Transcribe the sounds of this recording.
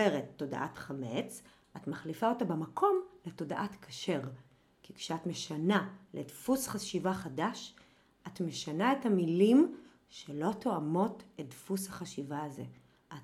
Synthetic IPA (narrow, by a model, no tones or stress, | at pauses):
eʁetːo̞da̰ʔa̰tχame̞t͡s | atmaχlifao̞tabemakʰo̞mle̞to̞daʔatkʰḁʃe̞ʁ | kikʃeatme̞ʃanalʔedfusχaʃivaχadaʃ | ʔatme̞ʃanae̞thamilim | ʃelo̞tʰoamo̞tet̚dfushaχaʃivaːze̞ | ʔat